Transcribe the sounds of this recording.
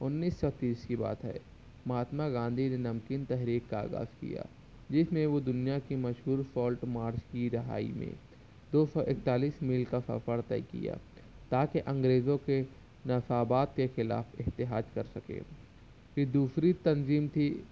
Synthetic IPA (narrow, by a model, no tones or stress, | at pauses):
ʊnːiːsːɔt̪iːskiba̰ːt̪ɦɛ̰ː | mɦaːt̪maɡãːnd̪ʱinenɐmkint̪ɛɦɾiːkːaa̰ːɡa̰ːzkḭja̰ː | d͡ʒɪsmẽʋod̪ʊnijakimɐʃɦuːɾsɔːlʈmaːɾt͡ʃkiɾɐɦa̰ːḭmḛ̃ | d̪oːsɔʔɪk̚t̪aːliːsmiːlkasɐ̰fəɾt̪ɛ̰ːkḭja̰ː | t̪aːkeʔɐ̃ŋɡɾeːzõke | nɐfaːbaːt̪kexɪla̰ːfɪɦt̪ɪɦaːd͡ʒkɐɾsɐkḛː | kid̪uːsɾit̪ɐnziːmt̪ʰi